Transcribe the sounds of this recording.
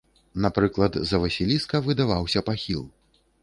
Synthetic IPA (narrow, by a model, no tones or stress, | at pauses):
napɾɨklˠɐd̪zɐvɐsʲilʲiskɐvɨd̪avawsʲɐpaxʲilˠ